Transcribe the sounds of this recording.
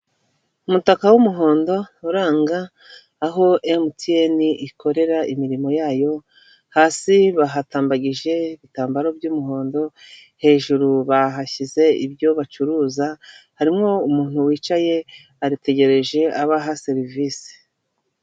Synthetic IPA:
umutakawumuɦo̞ːndo̞uɾaːŋɡaː | ɦo̞ʔemtieniʔikʰo̞ɾe̞ɾaimiɾimo̞jaːjo̞ | haːsiβaɦataːmbaɟiʒe̞iβitaːmbaɾo̞bjumuɦo̞ːndo̞ | he̞ːʒuɾuβaɦaçize̞ḭbjo̞βat͡ʃuɾuːzahaɾimŋo̞umuːn̥huwiːt͡ʃaje̞ | aɾite̞ɟe̞ɾe̞ʒe̞ʔaβaɦaseɾiviːsi̥

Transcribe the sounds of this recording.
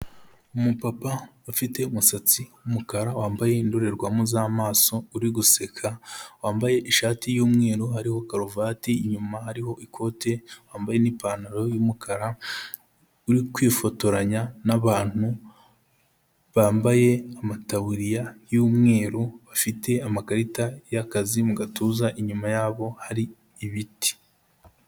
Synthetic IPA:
umupapa | afite̞umusat͡siwumukaɾawaːmbaje̞indoɾe̞ɾɡwamuzaːmaːso̞uɾiɡusekʰawaːmbaje̞ʔiʃaːtijuːmŋe̞ːɾohaɾiho̞kaɾuvaːtiːɲumahaɾiho̞ʔikʰo̞ːte̞waːmbaje̞nipaːnaɾojuːmukʰaɾa | uɾikwifo̞to̞ɾaɲanaβaːn̥hu | βaːmbaje̞amataβuɾijajuːmŋe̞ːɾoβafite̞amakaɾitajakazimuɡatuːzaʔiɲumajaːβo̞haɾiː | βiti̥

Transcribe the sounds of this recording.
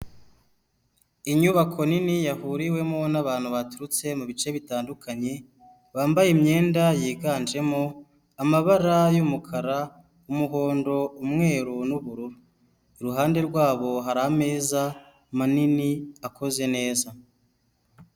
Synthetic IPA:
iɲuβakʰo̞ninijahuɾiwe̞mo̞naβaːn̥huβatuɾut͡se̞muβit͡ʃe̞βitaːndukʰaɲe̞ | βaːmbajemɲe̞ːndajiːɡaːnd͡ʒe̞mo̞ | amaβaɾajumukʰaɾa | umuɦo̞ːndo̞umŋe̞ːɾunuβuɾuɾu | iɾuɦaːnde̞ɾɡwaːβo̞ɦaɾaame̞ːza | maniniako̞ze̞ne̞ːza

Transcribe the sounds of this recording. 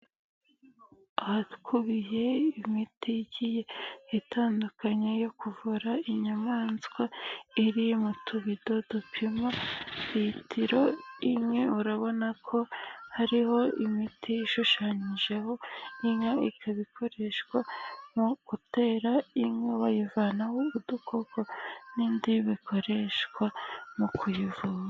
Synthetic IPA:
ahatu̥kʰuβije̞imitʰiɟijeitʰaːndukʰaɲejo̞kuvuɾaiɲamaːnzɡwaiɾijmutʰuβido̞dupʰimaβitʰiɾo̞imŋe̞uɾaβo̞nakʰo̞haɾiho̞imitiːʃuʃaːɲiʒe̞ho̞iŋaikʰaβikʰo̞ɾe̞ʃkwamuɡ̥ute̞ːɾaiŋŋeβajivanawuβudukʰoɡo̞niːndiβikʰo̞ɾe̞ʃkwamukʰujivuːβa

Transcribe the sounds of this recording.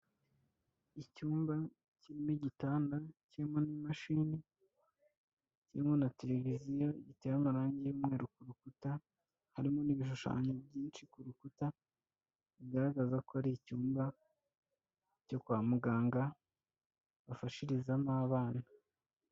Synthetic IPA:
icuːmba | ciɾimoɟitaːndacemo̞nimaʃini | ciimo̞nate̞le̞vizijo̞iɟiteːɾamaɾaːɲɟejumŋe̞ːɾukuɾukuta | haɾimo̞niβiʃ̬uʃa̰ːɲebɟiːnt͡ʃikuɾukuta | iɡaɾaɡazakoaɾicuːmba | co̞kwaːmuɡaːŋɡa | βafaʃiɾizamaːβaːna

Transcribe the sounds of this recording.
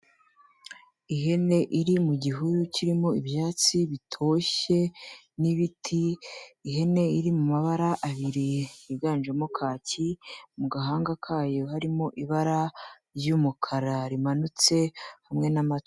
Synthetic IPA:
iɦe̞ne̞ʔiɾimuɟiɦuɾuciɾimo̞iβjaːt͡siβitʰo̞ːʃe̞ | niβitʰiː | ɦe̞ne̞iɾimumaβaɾaʔːβiɾiiɡaːnd͡ʒemokʰaːcimuɡaɦaːŋɡakʰaːjo̞haɾimo̞ʔiβaɾa | ɾjumukʰaɾaɾimanut͡se̞hamŋe̞namat

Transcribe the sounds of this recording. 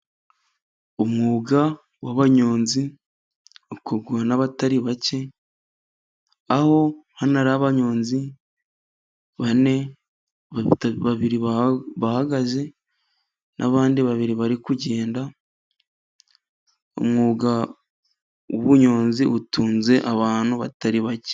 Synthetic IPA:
omŋuːɡa | waβaɲo̞ːnzi | ukoɡuanaβataɾiβace̞ | aho̞hanaɾaβaɲo̞ːnzi | βane̞ | βaβiɾiβahaɡaze̞ | nʔa̰βaːndiβaβiɾiβaɾikuɟe̞ːnda | o̰mŋuɡa | uβuɲo̞ːnziutuːnze̞ʔaβaːnhuβataɾiβace̥

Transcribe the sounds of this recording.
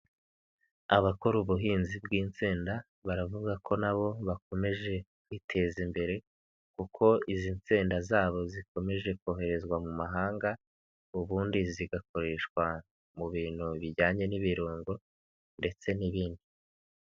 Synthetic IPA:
aβako̞ɾuβuɦiːnzibɡiːnt͡siːnda | βaɾavuɡakʰo̞naβo̞βako̞me̞ʒe̞kwitʰe̞ːzimbe̞ɾe̞ | kukʰo̞iziːnt͡siːndazaːβo̞ziko̞me̞ʒe̞koːɦe̞ɾe̞zɡwamumaɦaːŋɡa | uβuːndiziɡako̞ɾe̞ʃkwa | muβiːn̥huβiɟaːɲe̞niβiɾuːŋɡo̞ | nde̞t͡se̞niβiːndi

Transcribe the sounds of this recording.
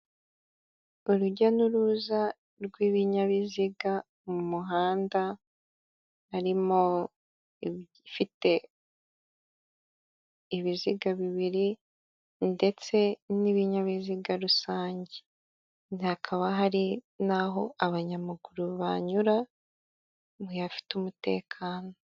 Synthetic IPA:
uɾuɟanuɾuza | ɾɡwiːβiɲaβiziɡa | mumuɦaːnda | ɾimo̞ | fite̞ | iβiziɡaβiβiɾi | nde̞t͡se̞niβiɲaβiziɡaɾusaːɲɟe | nihakʰaβaɦaɾi | naɦo̞aβaɲamaɡuɾuβa̰ɲuɾa | mwejafi̥tumute̞̰ːkʰaːno̞

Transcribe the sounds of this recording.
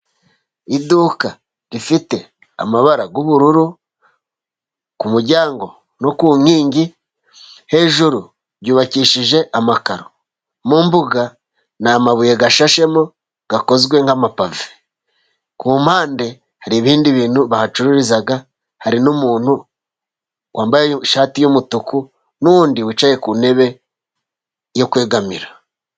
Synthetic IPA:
iduːka | ɾifite̞ | a̰maβaɾaɡuβuɾuɾu | kumuɾɟaːŋɡo̞ | no̞kuːɲhiːɲɟi | he̞ʒuɾu | ɾɟuːβaciʃiʒe̞ʔamakaɾo | mumbuɡa | namaβujeɡaʃaʃe̞mo | ɡ̥ako̞zɡwe̞ŋhamapave̥ | kuːmaːnde̞ | haɾiβiːndiβiːn̥huβahat͡ʃuɾuɾizaɡa | haɾinumuːnhu | wʔaːmbajeʃaːtijomutuku | nuuːndiwit͡ʃaje̞kuːne̞βe̞ | jo̞kweːɡamiɾa

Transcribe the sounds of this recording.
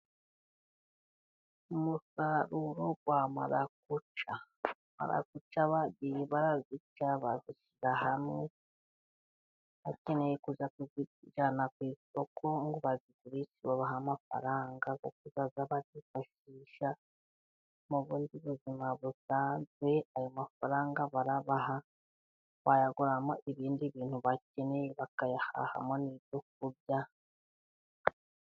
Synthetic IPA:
umusaɾuɾoɡwamaɾak̚ut͡ʃa | ma̰ɾa̰kut͡ʃaβaβiβaɾazit͡ʃaβaziʃiɾahamŋe | acinejikuzakuziiʒanakwiːso̞kʰo̞ŋɡuβazikuɾisiβoβaɦamafa̰ɾaːŋɡako̰k̚uzazaβazifaʃ | iːʃa | muβuːndiβuzimaβusaːnzwe̞ajo̞mafaɾaːŋɡaβaɾaβaɦa | βajaɡuɾamoʔiβiːndiβiːn̥huβacenejeβakajaha̰ha̰mo̞niβjok̚uɾɟa

